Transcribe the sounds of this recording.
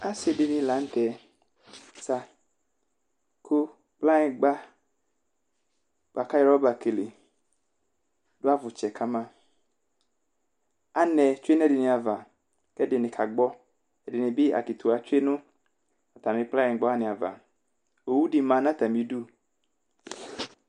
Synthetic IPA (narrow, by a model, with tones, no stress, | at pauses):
a˦sɪ˨dɪ˨nɪ̃˨la˨˦n̩˦tɛ˨ | sa˦ | kʰʊ˦ | k͡pla˦ɪ˨ɡ͡ba˦ | k͡pa˨ka˦jɛ˦ɾɔ˦ba˨ke˨le˨ | dʊ˦a˦vʊ˨t͡ʃɛ˨kʰa˦mã˦˨ | a˨nɛ˨t͡ʃʊ˦e˦n˦ɛ˦˨dɪ˨nɪ̃˨a˨va˨ | kɛ˦dɪ˨nɪ̃˨kʰa˨ɡ͡bɔ˦ | ɛ˨dɪ˨nɪ̃˨bɪ˦a̰˨ki˨t̪ʊ˨a˨t͡ʃʊ˦e˦nʊ̃˦ | a˨t̪a˨mɪ̃˨k͡pla˦ɪ˨˦ɡ͡bɔ˦a˦˨nɪ̃˨a˨va̰˨ | o˨wu˦di˨mã˨˦nã˦t̪a˨mĩ˨˦du˦